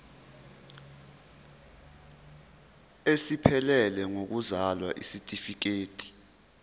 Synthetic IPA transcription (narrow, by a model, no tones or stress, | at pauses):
esipʰɛlɛlɛŋok̬uzalwaʔisitʼifik̬eːtʼi̥